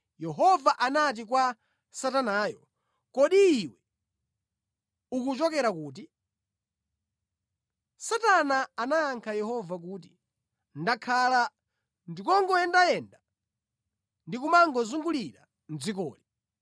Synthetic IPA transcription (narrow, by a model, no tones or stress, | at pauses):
jɛɦɔvaʔanat̬ik̬wa | satanaːjɔ | kɔɗiːwɛ | ukut͡ʃɔkɛɾakuːt̬i | satanaanaːŋkʰajɛhɔvak̬uːt̬i | ndakʰala | ndikɔŋɡɔɛndajɛnda | ndikumaŋɡɔzuŋɡuliɾa̰ | n̩d͡zik̬ɔ̰ːli